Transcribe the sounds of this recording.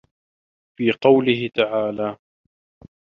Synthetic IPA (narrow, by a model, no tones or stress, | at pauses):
fiːqɑwlɪɦɪt̪aʕaːlaː